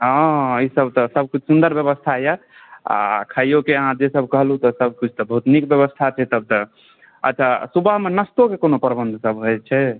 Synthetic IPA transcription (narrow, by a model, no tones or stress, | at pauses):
ɦə̃isəbt̪ɔsəb̚kut͡ʃʰsund̪əɾbjəβəst̪ʰaja | a̰kʰajokeəɦãd͡ʒesəbʱkəɦlut̪ɔsəb̚kit͡ʃʰt̪ɔbəɦut̪nikbjəβəst̪ʰat͡ʃʰɛt̪əb̚t̪ɔ | ə̰tːt͡ʃʰasubəɦmenəst̪okekonopəɾbənd̪ʱsəbɦojt͡ʃʰɛ